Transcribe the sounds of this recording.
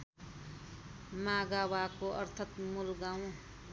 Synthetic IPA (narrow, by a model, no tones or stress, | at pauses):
maɡawakoʔʌ̰ɾt̪ʰʌt̪mulɡãw̃